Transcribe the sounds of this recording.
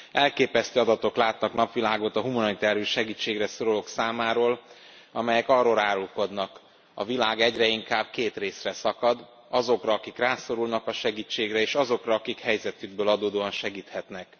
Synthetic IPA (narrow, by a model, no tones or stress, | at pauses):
ɛlkeːpɛst̪øːɒd̪ɒt̪o̞klaːt̪nɒknɒpʋilaːɡo̞t̪ɒɦumɒnit̪aːɾijuʃɛɡiːt͡ʃːeːɡrɛsoɾolo̞ksaːmaːɾoːl | ɒmɛjɛkɒrːoːlɾaːɾulko̞d̪nɒk | ɒ̰vilaːɡɛɟrɛiŋkaːb̥̚keːt̪reːsrɛsɒkɒd̪ | ɒzo̞krɒɒkikraːso̞ɾulnɒkɒʃɛɡiːt͡ʃːeːɡrɛeːʃɒzo̞krɒːkikhɛjzɛt̪yɡ̚bøːlɒd̪oːd̪oːɒnʃɛɡiːt̪hɛt̪nɛk